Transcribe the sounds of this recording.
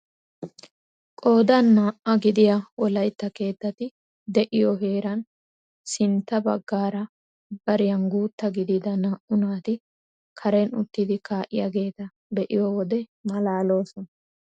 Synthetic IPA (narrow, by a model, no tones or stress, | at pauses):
kʼo̞ːd̪ɐnːaːʔɐɡɪd̪ɪjawɔlɐjt̪ːɐke̞ːt̪ːɐt̪ɪ | d̪ɛʔɪjɔɦe̞ːɾɐn | sɪnt̪ːɐbɐɡːaːɾɐ | b̥ɐɾɪjɐnɡuːt̪ːɐɡɪd̪ɪd̪ɐnaːʔʊnaːt̪ɪ | kʰɐɾɛnʊt̪ːɪd̪ɪkaːʔɪ̰jaɡe̞ːt̪ɐ | bɛʔɪjowɔd̪ɛmɐlaːlo̞ːsɔnɐ